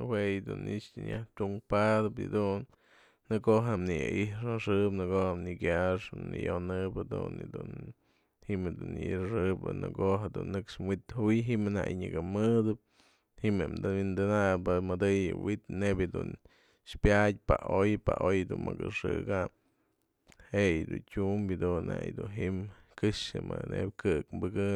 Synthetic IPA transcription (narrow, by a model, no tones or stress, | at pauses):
hwejd̪unit͡ʃt̪ɨnjaht̪ʲuŋpad̪ɨp̬ḭd̪unː | ɨkoʔɦamnijaʔiʂaʂɨpnɨkoʔhamnikjaʂnḭjonɨpad̪ṵnid̪un | himhed̪unjɨ̰iʂɨbɨ̰nɨ̰koɦed̪unːɨkʂmwit̪hujɦimɨna̰jɲɨɡɨmɨd̪ɨp̚ | himemd̪ɨwind̪ɨnapɨmɨd̪ɨjɨwit̪nebʲɨd̪un | ʃpjat̪̚ʲpaʔojpaʔojd̪unmɨkɨʂɨɡam | hejd̪untʲumbid̪unnajd̪unɦiʔmkɨʂɨmɨnḛb̚ʲkɨkmbɨɡɨ